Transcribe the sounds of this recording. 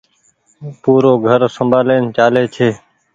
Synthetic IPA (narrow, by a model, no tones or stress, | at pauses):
puːɾoːɡʱəɾsəmbʱaːleːnt͡ʃaːleːt͡ʃʰeː